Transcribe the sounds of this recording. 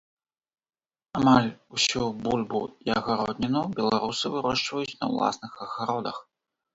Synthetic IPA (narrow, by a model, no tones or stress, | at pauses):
amalʲusʲubulʲbṵiɐɣaɾɔd̪ʲnʲinubʲɛlˠaɾusɨvɨɾɔʂt͡ʂvɐjut͡sʲnɐ̰wlˠa̰snɨxɐɣaɾɔd̪ɐ̰x